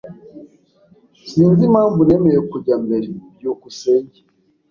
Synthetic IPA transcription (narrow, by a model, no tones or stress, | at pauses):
siːnzimaːɱvunemejekuɟambeɾibjokuseɲɟi